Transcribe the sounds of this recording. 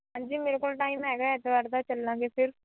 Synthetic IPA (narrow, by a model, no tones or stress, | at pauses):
ɦãːnd͡ʒiːmeːɾekolʈaːɪmɛːɡɐɛt̪ːəʋaːɾt̪at͡ʃɐlːãːŋɡefɪɾ